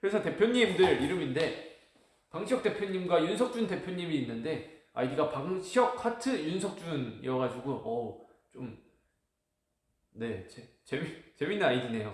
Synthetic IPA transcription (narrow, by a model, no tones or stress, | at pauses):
kɯɾe̞sʰʌte̞pʰjoɲːimdɯɾiɾɯminde̞ | paŋɕʰijʌk̚t͈e̞pʰjʌɲimɡwajuns̬ʰʌk̚t͡ɕ͈unte̞pʰjoɲːimiːnːɯnde̞ | a̰idiɡapaŋɕʰiʌk̚pʰatʰɯjunsʰʌk̚t͡ɕ͈unḭɾʌɣad͡ʑiɡuʌ | t͡ɕom | ne̞t͡ɕe | t͡ɕemt͡ɕe̞minːɯnajiɡine̞jo